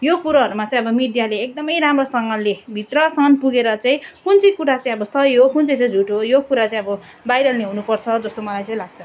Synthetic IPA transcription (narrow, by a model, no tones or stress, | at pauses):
jokuɾaɦʌɾumat͡saĩʌbʌmid̪jaleːk̚d̪ʌmʌjɾamrosʌŋɡʌlebʱit̪rʌsʌnpuɡeɾʌt͡saĩkunt͡sʌjkuɾat͡saĩʌbʌsʌɦiɦokunt͡sʌjt͡sʌj̃d͡zʱuʈɦojokuɾat͡saĩʌbʌ | bajɾʌlneɦunupʌrt͡sʰʌd͡zʌst̪omʌlajt͡saĩlaɡt͡sʰʌ̥